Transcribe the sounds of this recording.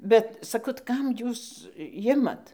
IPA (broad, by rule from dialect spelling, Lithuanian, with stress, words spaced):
ˈbʲɛt sɐˈkɐʊ tɐɪ ˈkɐm ˈjuːs ˈjɪmɐt